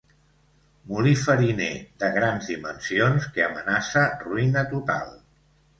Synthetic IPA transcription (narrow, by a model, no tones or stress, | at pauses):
mulifəɾinḛðəɣɾanzðimənsionskeəmənasəruinət̪ut̪a̰lˠ